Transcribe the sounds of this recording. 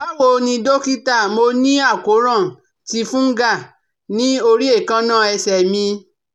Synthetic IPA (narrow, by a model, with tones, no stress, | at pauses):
ɔ˦wo˧nĩ˧do˦ki˦ta˦˨mo˧nĩ˦a˦˨ko˨˦ɾã˦˨ | ti˧fũ˦ŋ̩˦ɡa˦˨ | nĩ˦o˧ɾi˦e˦˨kã˧˦nã˦˨ɛ˧sɛ˨mĩ˧